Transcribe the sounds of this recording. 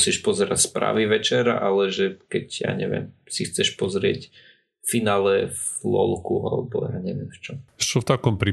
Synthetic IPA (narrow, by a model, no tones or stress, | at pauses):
siːʃpɔzɛɾacspɾa̰ːʋiʋɛt͡ʃɛɾa̰ʔalɛʒɛkɛɟja̰ːɲɛʋjɛ̰msixt͡sɛʃpɔzɾɪɛc | finaːlɛvlɔ̰lˠkua̰lɛbɔjaːɲɛʋɪɛmft͡ʃɔmt͡ʃɔft̪akɔmpɾi